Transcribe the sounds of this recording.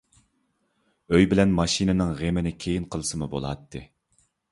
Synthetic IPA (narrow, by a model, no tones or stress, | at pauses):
øjbɪlɛnmɑʃinɪnɨŋʁemɪnɪkʲʰejinqʰəlˠɨsɨmubo̰lˠɑ̰t̪ʰːɨ